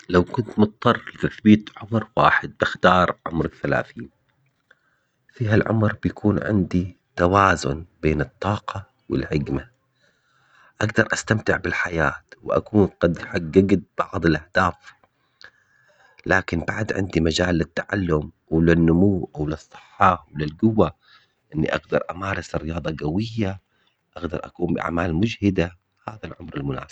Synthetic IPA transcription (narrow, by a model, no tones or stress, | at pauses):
lawkʊnt̪mʊt̪̚t̪ˤːɑrˤːlɪt̪aθbiːt̪ʕʊmɾwa̰ːħɪd̪̚bɪxt̪ɑːɾˤʕʊ̰mɾɪθːala̰ːθiːn | fiːɦalʕʊ̰mɾbjakʰuːnʕɪ̰nd̪i | t̪awaːzʊ̰nb̥eːnɨt̪ˤːɑːqɑ | wɪ̰lħɪɡma | ʔaɡd̪ɑɾˤʔast̪amt̪ɪʕbɪlħajaːt̪wɪʔa̰kuːnqɑd̪ħaɡaɡd̪̚bɑʕðˤɪlʔahd̪̥aːf | laːkɪnbaʕd̪ʕɪ̰nd̪imad͡ʒaːlːɪt̪ːaʕa̰lːʊm | wlɪnːʊmuːwlɨsˤːɨ̥ħːɑwlɪlɡʊwːa | ʔɪnːḭʔaɡd̪ɑɾˤʔamaːɾˤɑsrːɪjɑːðˤɑɡawɪjːa | ʔaɡd̪ɑ̰ɾˤʔa̰kuːmbɪʔa̰ʕmaːlmʊd͡ʒhɪd̪a | haːðalʕʊmɾɪlmʊna̰ːs